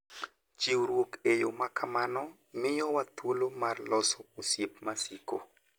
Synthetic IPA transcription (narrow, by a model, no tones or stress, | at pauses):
t͡ʃiwɾwokejomakʰamanɔ | mɪjɔwat̪wolomarlɔsɔosjepmasiko̰